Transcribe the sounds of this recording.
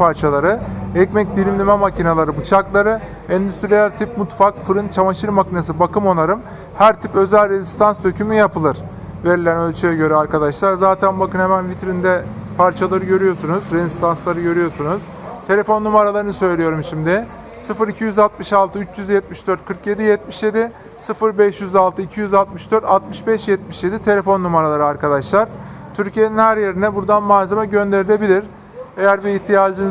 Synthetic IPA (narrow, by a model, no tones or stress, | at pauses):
pʰaɾt͡ʃʰalˠaɾɯɛcmɛc̚d̪ilʲimlʲimɛmacinalˠaɾɯbut͡ʃʰaklˠaɾɯ | ɛnd̪yst̪ɾilʲæɾt̪ʰip̚mut̪fakfɯɾɯnt͡ʃʰamaʃɯɾmacinas̬ɯbakɯmo̞naɾɯm | hæɾt̪ʰipø̞zælʲɾezi̥st̪ʰansd̪ø̞cʰymyjapʰɯlˠɯɾ̥ | ve̞ɾilʲænø̞lʲt͡ʃʰyjɛɟø̞ɾɛaɾkad̪aʃlˠaɾzaːt̪ʰænbakɯnhemænvit̪ɾind̪ɛpʰaɾt͡ʃʰalˠaɾɯɟø̞ɾyjo̞ɾsunuzɾezist̪ʰanslˠaɾɯɟø̞ɾyjo̞ɾsunuz̥ | t̪ʰe̞lʲe̞fo̞nːumaɾalˠaɾɯnɯsø̞jlʲijo̞ɾumʃimd̪ɪ | sɯfɯɾicʰijyzalˠt̪̚mɯʃalˠt̪ʰɯyt͡ʃjyzjɛt̪̚miʃd̪øɾt̪̚kʰɯɾkje̞d̪ijɛt̪̚miʃje̞d̪ɪ | sɯfɯɾbɛʃjyzalˠt̪ʰɯicʰijyzalˠt̪mɯʃd̪øɾt̪alˠt̪mɯʃbɛʃjɛt̪miʃjed̪it̪ʰe̞lʲe̞fo̞nːumaɾalˠaɾɯaɾkad̪aʃlˠaɾ̥ | t̪ʰyɾcije̞ninhæɾje̞ɾinɛbuɾd̪anmaːzamaɟø̞nd̪e̞ɾilʲe̞bilʲiɾ | ejæɾbiiçt̪ʰijaːd͡ʒɯn